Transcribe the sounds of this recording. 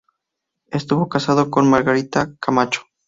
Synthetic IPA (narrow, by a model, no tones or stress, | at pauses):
e̞st̪uβo̞kasaðokonmaɾɣaɾit̪akamat͡ʃo̥